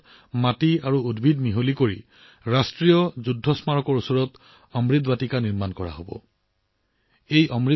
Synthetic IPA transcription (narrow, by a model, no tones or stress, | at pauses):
matiaɹuudbʱidmiɦolikoɹi | ɹastɹijɔzudʱːɔsmaɹɔkɔɹusɔɹɔt | ɔmɹit̪batikaniɹmankɔɹa̰ɦobɔ̰ | ejʔɔmɹi